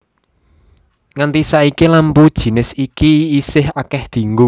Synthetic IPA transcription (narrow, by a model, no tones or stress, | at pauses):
ŋant̪isaikilampud̥ʒ̥i̤nɪsikiːsɪhakɛhd̪̥i̤ŋɡu